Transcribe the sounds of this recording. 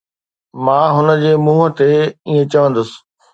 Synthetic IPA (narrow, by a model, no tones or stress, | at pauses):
mãːɦʊnə̆d͡ʑeːmũːɦət̪eiːẽt͡ɕɐʋə̃nd̪ʊsɪ̥̆